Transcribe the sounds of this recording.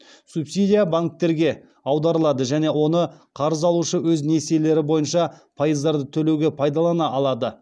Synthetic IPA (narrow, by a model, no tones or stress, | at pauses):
supsijd̪ʲijabaŋk̚t̪ːe̞ɾɡʲe̞ | ɑwd̪ɑɾəlˠɑd̪əʒæne̞wo̞nəqʰɑɾəzɑlˠuʃəwɵzne̞siele̞ɾɪbo̞jənʃɑpʰojəzd̪ɑɾd̪ət̪ʰɵle̞wɡʲe̞pʰɑjd̪ɑlˠɑnɑʔɑlˠɑd̪ə